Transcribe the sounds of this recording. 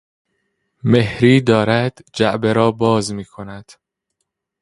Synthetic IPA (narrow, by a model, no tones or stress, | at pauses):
me̞hɾiːd̪ɒːɾæd̪̥d͡ʒæʔbeɾɒːbɒːzmiːkʰonæd̪̥